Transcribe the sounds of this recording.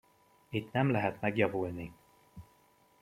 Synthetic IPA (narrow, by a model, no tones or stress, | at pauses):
it̪nɛmlɛɦɛt̪mɛɡjɒvulni